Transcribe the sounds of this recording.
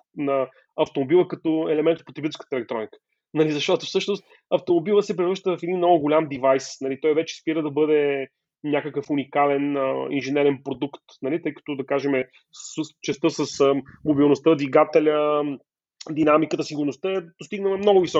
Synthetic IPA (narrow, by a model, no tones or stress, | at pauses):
nɐ | ɐft̪omobilˠəkɐt̪oɛlɛmɛnt̪t̪̚pot̪ɾibiɛlˠskə̥t̪əɛlɛk̚t̪ɾɔnikə̥ | nɐlizɐʃt̪ɔt̪ʊfsɤʃnost̪ | ɐft̪omobilˠəsɛpɾivɾɤʃt̪əvɐfɛd̪inːɔɡʊɡʊlʲamd̪ivajsnɐlit̪ɔjvɛt͡ʃɛ̥spiɾəd̪ɐbɤd̪ɛ | nʲakəkəfʊnikalɛnə̰ḭnʒɛnɛɾɛnpɾod̪ukt̪nɐlit̪ɤjkə̥t̪ʊd̪ɐkaʒɛmɛ | ssst͡ʃɛst̪əsəsmobilˠnost̪əd̪viɡat̪ɛlʲə | d̪inamikət̪əsiɡʊɾnost̪əɛd̥̪ost̪iɡnəmɛmnɔɡʊvisɔ